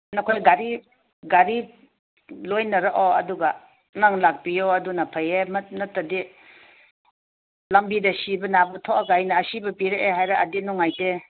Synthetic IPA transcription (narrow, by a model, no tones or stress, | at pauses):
nɔkʰojɡaɾi | ɡaɾi | lojnɐɾaʔoɐduɡa | naŋlak̚bioɐdunapʰajemnɐtːɐdi | lɐmbidɐsibɐnabɐtʰoʔaɡajnɐːsibɐpiɾeʔeɦajɾaɐdinɔŋajte